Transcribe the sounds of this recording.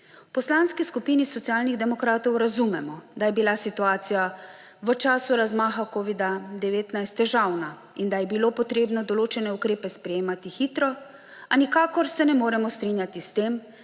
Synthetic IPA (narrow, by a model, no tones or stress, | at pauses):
pɔslanskiskupinisɔt̪siaːlniɣd̪ɛmɔkɾaːt̪ɔwɾazumɛmɔd̪ajɛbilasit̪uaːt̪sija | ʋət͡ʃaːsuɾazmaːxakoːʋid̪ad̪ɛʋeːt̪najst̪ːɛʒawna | ind̪ajɛbiloːpɔt̪ɾeːbnɔd̪ɔloːt͡ʃɛnɛukɾeːpɛspɾɛjeːmat̪ixiːt̪ɾɔ | anikaːkɔɾsɛnɛmoːɾɛmɔst̪ɾinjat̪ist̪em